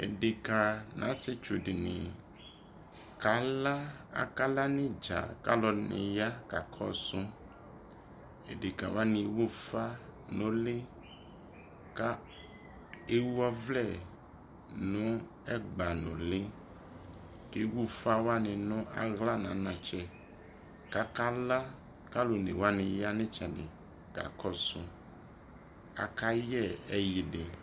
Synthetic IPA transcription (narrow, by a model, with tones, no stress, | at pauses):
ḛ˨ɖe˨ka˨nʔã̰˨˦se˦t͡ʃo˨ɖe˨nḛ̃˨ | ka˨˦la˦a̰˦˨ka˦la˦nẽ˦d͡ʒa̰˨ka˦lɔ˨nḛ̃˨ja˦ka˨kʰɔ̰˦sũ˦ | ḛ˨de˨ka˨wo˦a˦nĩ˨wu˦fa˦nõ˦le˦ | ka˦ | e˦wu˦a˦vlɛ˦˨ | nʊ̃˦ | ɛ˦ɡ͡ba˨nʊ̰̃˨lɪ˦ | ke˦wu˦fa˦wa˦nɪ˨nʊ̃˦ʔa̰˨ɣla˦nã˨˦nã˨t͡ʃɛ˦ | ka˦ka˦la˦ | ka˦lo˨nḛ˨wa˦nɪ̃˨ja˦nɪ̃˦t͡ʃɛ˨dɪ˨ | ɡ̥a̰˨kɔ˦sʊ˦ | a̰˨ka˦jɛ˦˨ɛ˦ji˨dɪ˨